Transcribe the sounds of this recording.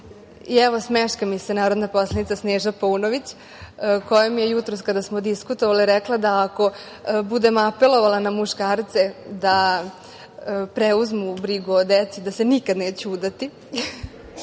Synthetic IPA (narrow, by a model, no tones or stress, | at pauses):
iɛʋo̞smeʃkamisenaːɾo̞d̪napo̞slˠed̪nit̪sasneːʒapounoʋit͡ɕ | ko̞jamijejut̪ɾoskad̪asmod̪iskut̪o̞ʋaliɾeklˠad̪aːko̞ | bud̪e̞mapelo̞ʋalanamuʃkaːɾt̪sed̪a | pɾeuzmubɾiɡuod̪et̪sid̪ase̞nikad̪neːt͡ɕuuːd̪at̪i